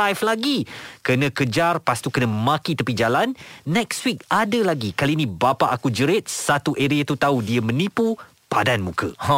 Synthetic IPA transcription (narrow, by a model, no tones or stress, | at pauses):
ajflaɡikənə̃kəd͡ʒarpast̪ukənə̃mãkit̪əpid͡ʒalanːɛkswik̚adəlaɡikaliːnĩbapaʔakud͡ʒəɾet̪̚sat̪uʔeɾiat̪ut̪audiəmə̃nĩpu | padanmũkə̰